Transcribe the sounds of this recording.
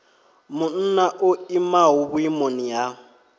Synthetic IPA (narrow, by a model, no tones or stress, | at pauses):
mʊn̩naʔʊimaɦʊβʊimonija